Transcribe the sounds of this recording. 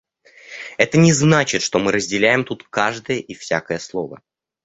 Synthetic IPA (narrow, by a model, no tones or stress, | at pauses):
ɛt̪ənʲɪznat͡ɕɪt̪ʂt̪o̞mɨɾəzʲdʲɪlʲæjɪmt̪ut̪kaʐd̪əjəʔifsʲakəjəslˠovə̰